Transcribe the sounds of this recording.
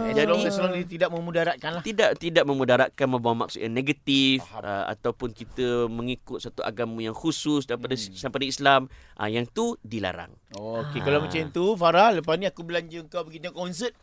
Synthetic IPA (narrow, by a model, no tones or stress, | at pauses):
aalɔaslɔŋit̪idaʔ̚məmudaɾaʔ̪̚kanlaht̪idaʔt̪idaʔ̚mə̃mudaɾaʔkanmə̃mbawama̰k̚sʊt̪̚ɲaŋneɡat̪ifə̰a̰t̪awpʊnkit̪əmə̃ŋikʊt̪̚sat̪uʔa̰ɡaməjaŋxusʊsdaɾipadasapadaislam | ʔə̰jaŋt̪udila̰ɾa̰ŋ | okekalawmat͡ʃant̪ufaɾahləpasnĩakubəlaɲd͡ʒuəŋkawbəɡit̪uakɔns̬ət̪̚